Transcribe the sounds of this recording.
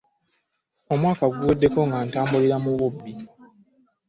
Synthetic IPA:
o̞mwaːkaɡuudːe̞ko̞ŋɡaːntaːmbuliɾamuβubːi

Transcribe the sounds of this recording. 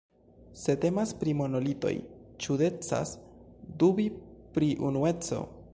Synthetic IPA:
se̞te̞maspɾimo̞no̞lito̞̰jt͡ʃude̞t͡sa̰sdubipɾiʔunue̞t͡so̞̰

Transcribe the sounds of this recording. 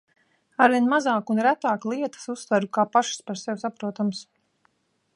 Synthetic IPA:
aɾviɛnmazaːkunɾæt̪aːklˠiɛt̪ḁsust̪vaɾukaːpaʃspaɾsɛwʲsapɾuɔt̪ams

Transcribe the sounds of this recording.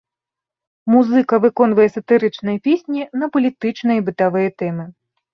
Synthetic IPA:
muzɨkɐvɨkɔnvɐjɛsɐt̪ɨɾɨt͡ʂnɐjɐpʲesʲnʲinɐpɐlʲit̪ɨt͡ʂnɨjibɨt̪avɨjɐt̪ɛmɨ

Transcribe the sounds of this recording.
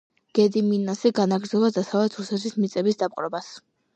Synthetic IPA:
ɡ̥ɛd̪iminasiɡanaɡɾd̪zɔlˠad̪asavɛt̪ʰusɛt̪ʰismit̪sʼɛbisd̪ap̚ʼqʼɾɔbas

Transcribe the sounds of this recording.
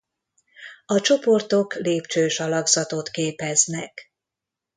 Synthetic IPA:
ɒt͡ʃo̞po̞rt̪o̞kleːpt͡ʃøːʃɒlɒɡzɒt̪o̞t̪keːpɛznɛk

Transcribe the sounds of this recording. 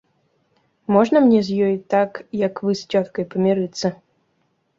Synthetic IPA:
mɔʐnɐmnʲɛzʲjɔjt̪akjɐkvɨsʲtʲɔt̪kɐjpɐmʲiɾɨt̪sɐ

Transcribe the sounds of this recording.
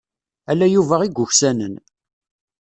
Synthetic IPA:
ælːæjuvæʁiɡʷːʊçsænən

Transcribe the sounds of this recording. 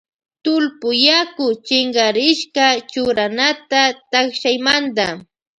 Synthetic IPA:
t̪ʊlpʊjakʊt͡ʃɪŋɡaɾɪʃkat͡ʃʊɾanat̪at̪akʃajmand̪a

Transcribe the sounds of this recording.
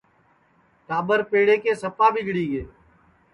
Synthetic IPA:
t̪aːbəɾpeːɽeːkeːsəpaːbʱiɡɽĩːɡeː

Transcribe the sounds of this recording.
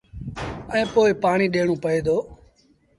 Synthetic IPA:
ɛ̃ːpoːɪpaːɳ̃iːɗeːɳõːpəeːd̪oː

